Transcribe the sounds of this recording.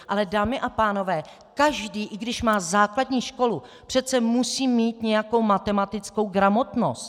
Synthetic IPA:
ʔalɛdaːmɪʔapaːno̞vɛː | kaʒdiːʔɪɡdɪʃmaːzaːkladɲiːʃko̞lu | pr̥ɛt̪t͡sɛmusiːmːiːt̪ɲɛjako̞wmat̪ɛmat̪ɪt͡sko̞wɡɾamo̞t̪no̞̰st̪

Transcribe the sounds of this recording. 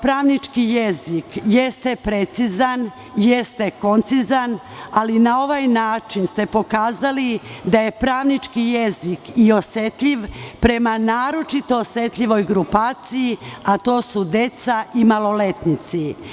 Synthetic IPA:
pɾaːʋnit͡ʃkijezikjest̪e̞pɾet̪sizan | je̞st̪eko̞nt̪sizan | alinao̞ʋajnaːt͡ʃinst̪e̞po̞kaːzalid̪aje̞pɾaːʋnit͡ʃkijezikio̞set̪ʎiʋpɾe̞manaːɾo̞t͡ʃit̪o̞ːsʋe̞t̪ʎʲiʋo̞jɡɾupaːt̪sijiat̪o̞ːsud̪e̞t̪saʔimalˠo̞le̞t̪nit̪si

